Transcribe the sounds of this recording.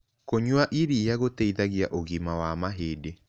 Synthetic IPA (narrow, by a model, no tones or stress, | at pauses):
koɲwaʔiɾijaɣotɛiðaɣjaʔoɣimawamaɦeːde